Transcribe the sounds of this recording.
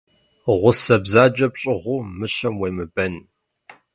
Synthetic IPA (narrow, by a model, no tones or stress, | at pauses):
ʁʷʊsɐbzaːd͡ʒʼɐpɕʼɪʁʷʊmɨɕɐmweːmɨbɐn